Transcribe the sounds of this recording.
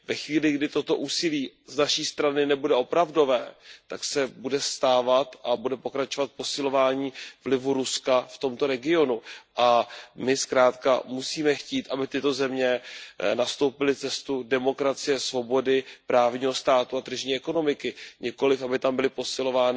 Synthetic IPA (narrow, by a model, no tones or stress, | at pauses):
vɛxviːlɪɡdɪt̪o̞t̪o̞ʔuːsɪliːznaʃiːst̪ɾanɪnɛbudɛʔo̞pɾavdo̞vɛːt̪aksɛbudɛst̪aːvat̪ʔabudɛpo̞kɾat͡ʃo̞vat̪̚po̞sɪlo̞vaːɲiːvlɪvuɾuskaft̪o̞mt̪o̞ɾɛɡɪo̞nuʔamɪskɾaːt̪ka̰musiːmɛxciːt̪ʔabɪt̪ɪt̪o̞zɛmɲɛnast̪o̞wpɪlɪt͡sɛst̪udɛmo̞kɾat͡sɪjɛsvo̞bo̞dɪpɾaːvɲiːɦo̞st̪aːt̪uat̪r̩ʒɲiːɛko̞no̞mɪkɪɲɪko̞lɪfabɪt̪ambɪlɪpo̞sɪlo̞vaːnɪ